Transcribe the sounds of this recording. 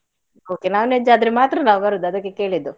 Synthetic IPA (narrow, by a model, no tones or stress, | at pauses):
oːkenaːʋned͡ʒaɐd̪ɾemaːt̪ɾɐnaːʋɡɐɾud̪ːuɐd̪ɐkːeke̞ːɭid̪ːu